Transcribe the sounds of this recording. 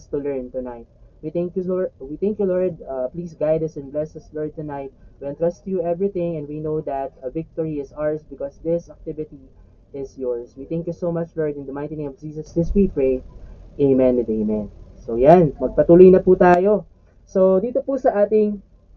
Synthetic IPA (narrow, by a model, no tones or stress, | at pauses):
st̪ulɛɹnt̪ʊnajt̪̚wit̪ɛ̃ŋkjuwiθɛ̃ŋkjulɔɹd̪̚pliːsɡajd̪ɐsɛ̃nblɛsɐslɔɹd̪̚t̪ʊnajt̪̚wiɛ̃nt̪ɾɹɐst̪ʊjuʔɛvɹiθɪ̃ŋɛ̃nd̪winod̪ɐt̪ɐvɪk̚t̪ɔɹiɪsaɹsbɪkɔsd̪ɪsɐk̚t̪ɪvɪt̪i | ɪsjɔɹswit̪θɛ̃ŋkjusomɐt͡ʃlɔɹd̪ɪ̃nd̪ɐmãj̃nt̪inẽjmɔvd͡ʒiːsɐsd̪ɪswipɹejʔeɪmɛ̃nd̪eɪmɛ̃nsojanmɐɡ̚pɐt̪uːlojnɐput̪aːjo | sod̪iːt̪opusɐʔaːt̪ɪŋ